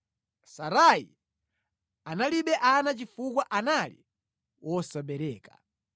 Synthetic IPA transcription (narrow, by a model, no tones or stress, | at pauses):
saɾajḭ | analiɓɛʔanat͡ʃifukwaʔanalḭ | wʔɔsaɓɛɾɛːka